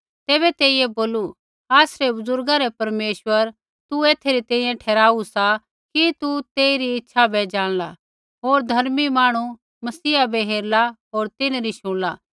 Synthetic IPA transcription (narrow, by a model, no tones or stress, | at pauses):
t̪ɛːβɛt̪eːijeboːlu | aːsɾebʊzʊɾɡaɾɛpɐɾmeːʃwəɾ | t̪ueːt̪ʰeɾit̪ɛ̃ːĩjẽʈʰɛːɾaːusa | kit̪ut̪eːiɾiɪtːʃʰabɛd͡ʒaːɽ̃la | ɦoːɾd̪ʱɐɾmimaːɽ̃u | mɐsiːabɛɦeːɾlaɦoːɾt̪ɪnɾiʃʊ̃ɽ̃laː